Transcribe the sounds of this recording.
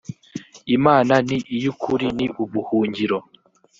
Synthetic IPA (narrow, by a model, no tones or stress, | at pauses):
imaːnaniʔijukʰuɾiniʔuβuhuːɲɟiɾo